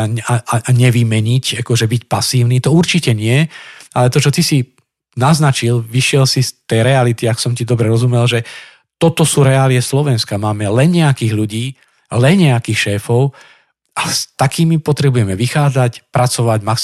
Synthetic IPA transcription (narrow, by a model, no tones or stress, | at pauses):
aaaɲɛʋimɛɲicakɔʒɛbicpasiːʊnit̪ɔuɾt͡ʃicɛɲɪɛalɛt̪ɔt͡ʃɔt̪isi | naznat͡ʃilʋiʃɪɛlsist̪ɛjɾɛalit̪iaksɔmcid̪ɔbɾɛɾɔzumɛlʒɛ | t̪ɔt̪ɔsuːɾɛaliɛslɔʋɛnskamaːmɛlɛnɲɛakiːɣʎuɟiː | lɛnɲɛakiːxʃɛːfɔʊ | ʔast̪akiːmipɔt̪ɾɛbujɛmɛʋixaːd͡zacpɾat͡sɔʋaɟmak